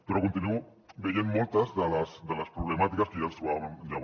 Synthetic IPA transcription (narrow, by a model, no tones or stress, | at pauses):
pəɾokunt̪inuu | bejenmolˠt̪ɐzðəlasd̪əlɐspɾuβlemat̪ikɐskəʒast̪ɾuβaβanʎa